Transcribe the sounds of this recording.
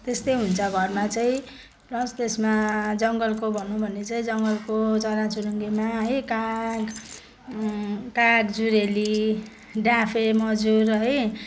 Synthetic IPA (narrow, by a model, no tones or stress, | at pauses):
t̪est̪ʌjɦunt͡sʰʌɡʱʌrmat͡saĩ | plʌst̪esmad͡zʌŋɡʌlkobʱʌnũbʱʌnet͡saĩd͡zʌŋɡʌlkot͡sʌɾat͡suɾʌŋɡemaɦʌjkaɡ | kaɡd͡zuɾeli | ɖapʰemʌd͡zurɦʌj